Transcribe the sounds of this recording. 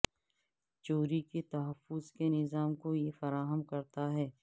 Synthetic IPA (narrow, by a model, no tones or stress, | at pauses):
t͡ʃoːɾiket̪ɐɦəfːʊzkenɪzaːmkojefɐɾaːɦəmkɐɾt̪aɦɛː